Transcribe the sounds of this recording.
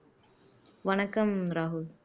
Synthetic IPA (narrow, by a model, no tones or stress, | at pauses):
ʋɐnɐkːɐmɾaːɦʊl